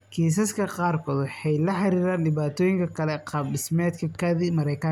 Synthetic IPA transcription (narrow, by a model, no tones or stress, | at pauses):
kʰiːs̬ɐskʰɐqɑːrkʰɔːd̪ħɛjlɐħɑɾiːɾaːnɖɪβaːt̪ʰɔːjɪŋkʰɐkʰɐlɛqɑbɪsmɛːd̪kʰɐkʰɐðimɐɾɛjkʰɐ